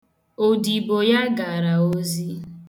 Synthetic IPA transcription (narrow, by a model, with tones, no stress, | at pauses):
o˨di˨bo˨ja˦ɡa˨ɾa˨o˦zi˦